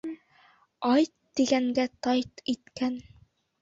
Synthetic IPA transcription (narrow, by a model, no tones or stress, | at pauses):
ɑjt̪ːiɡæŋɡæt̪ɑjt̪it̪kæn